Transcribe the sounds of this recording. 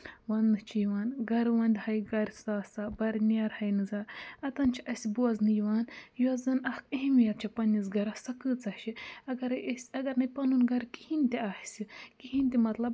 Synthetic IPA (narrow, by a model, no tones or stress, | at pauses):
wɐnnɨt͡ʃʰijʋaːnɡɐɾʋɐnd̪ʲhɐjɡɐɾʲsaːsabɐɾʲnjaːɾhɐjnɨzaːɾɐt̪ɐnt͡ʃʰiʔɐsʲibuɐznɨjʋaːnjuɐzɐnɐhkɐɦmijɐt̪̚t͡ʃʰipɐnʲiz̬ɡɐɾɐsɐkɨt͡sɐʃiɐɡɐɾsʲɐɡɐɾnɐjpɐnunɡɐɾkihinʲt̪iaːhsʲikiɦinʲt̪ʲimɐt̪lɐb